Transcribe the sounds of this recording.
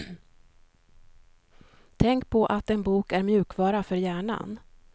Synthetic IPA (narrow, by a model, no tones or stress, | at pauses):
t̪ʰɛŋkpʰɔʔat̪ɛnbuːkæɾmjʉ̟ːkvɑːɾafœɾjæːɳa̰n